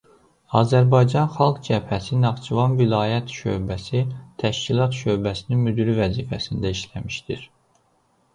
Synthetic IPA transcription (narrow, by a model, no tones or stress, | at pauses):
ɑ̰ːzæɾbɑjd͡ʒɑnxɑlˠɡd͡ʒæphæsinɑʁt͡ʃʰivɑnvilɑːjæt̪ʃø̰bæsit̪ʰæʃcilˠɑt̪ʃø̞bæsininmyd̪yɾivæziːfæsind̪æiʃlæmiʃd̪iɾ